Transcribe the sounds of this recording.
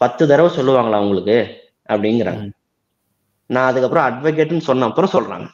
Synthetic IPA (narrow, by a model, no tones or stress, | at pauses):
pɐt̪ːɯt̪ɐɾɐʋɯsɔlːɯʋaːŋɡɐɭaːʊŋɡɐɭɯkːɯ | ɐpːɐɽɪnɡɪɾa̰ːŋɡɐ | nãːɐðɯkːɐpːɾɔ̃ɐɖʋɐk̬eʈːɯnɯsɔnːaːɐpːɯɾõsɔlɾa̰ːŋɡɐ